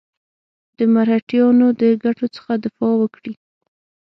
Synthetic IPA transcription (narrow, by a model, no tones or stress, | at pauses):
d̪̥əmaɾhaʈjɑnod̪əɡaʈot͡sə̥xad̪ɪfɑwəkɽi